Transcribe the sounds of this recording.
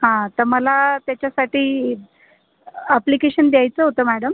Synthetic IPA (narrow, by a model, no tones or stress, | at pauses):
ɦãt̪əɾməlat̪jat͡ɕjasaʈiː | əplikeɕənd̪jajt͡səɦot̪əːmæɽəm